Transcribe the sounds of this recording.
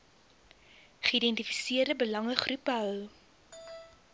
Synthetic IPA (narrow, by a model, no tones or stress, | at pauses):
χəidɛntifi̥siərdəbəlɐŋəχrupəɦœw